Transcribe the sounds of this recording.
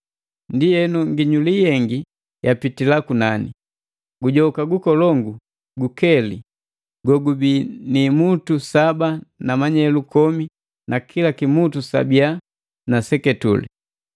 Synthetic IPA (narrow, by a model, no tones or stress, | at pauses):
ndijɛnuŋɡiɲulijɛŋɡi | japitilakunani | ɡuɟɔkaɡukɔlɔŋɡu | ɡukɛli | ɡɔɡubinimutusabanamaɲɛlukɔmi | nakʰilakimutusa̰bia | nasɛkɛtṵlḭ